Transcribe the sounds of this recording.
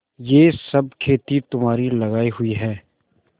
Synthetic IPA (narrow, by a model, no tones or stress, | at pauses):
jeːsɐb̚kʰeːt̪it̪ʊmɦaːɾilɐɣaːiɦʊiɦɛː